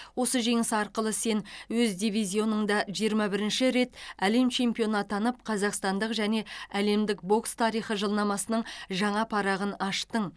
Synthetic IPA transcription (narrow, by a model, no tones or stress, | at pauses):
wo̞səʒe̞ŋɪsɑɾqəlˠəse̞nwɵzd̪ivizʲijo̞nəɴd̪ɑʒijəɾmɑbɪɾɪnʃɪɾe̞t̪æle̞mt͡ʃʰe̞mpijo̞nɑt̪ɑnəp̚qʰɑzɑqst̪ɑnd̪əqʒæne̞æle̞md̪ɪk̚bo̞kst̪ʰɑɾijχəʒəlˠnɑmɑsənəɴʒɑɴɑpʰɑɾɑʁənɑʃt̪əɴ